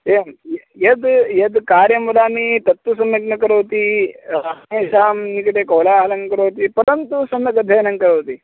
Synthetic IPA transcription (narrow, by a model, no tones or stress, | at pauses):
emj | jed̪jed̪kaːɾjɐmulaːmiːt̪ɐt̪ːusɐmːɐk̚nɐkɐɾoːt̪iːɾaːneːʃaːmnikʈekɐwlaaːlɐŋkɐɾoːt̪iːpɐɾənt̪usɐnːɐɡɐd̪ʱɐjnɐŋkɐɾoːt̪iː